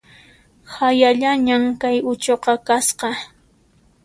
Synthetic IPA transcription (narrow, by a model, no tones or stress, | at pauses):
hajaʎaɲaŋkajʊt͡ʃoqɑkasqɑ